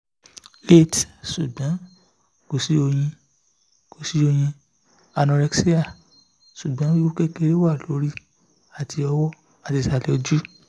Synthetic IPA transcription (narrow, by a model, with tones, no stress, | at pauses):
le˦˨tsu˨ɡ͡bɔ̃˨˦ | ko˨si˨˦o˧j̃ĩ˧ | ko˨si˦o˧j̃ĩ˧ | a˧nɔ̃˧ɾɛ˧ksi˦a˦˨ | su˨ɡ͡bɔ̃˨˦wi˦u˦ke˦ke˧ɾe˦wa˦˨lo˨˦ɾi˦ | a˨tʰi˧ɔ˧wɔ˦ | a˨ti˨˧sa˧˨lɛ˨˦d͡ʒu˦